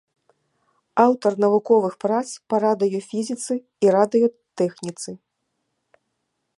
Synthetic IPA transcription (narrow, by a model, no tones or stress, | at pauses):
awt̪ɐrnɐvukɔvɨxpɾat̪spɐɾad̪ɨjufʲizʲit̪sɨ | iɾad̪ɨju | t̪ɛxnʲit̪sɨ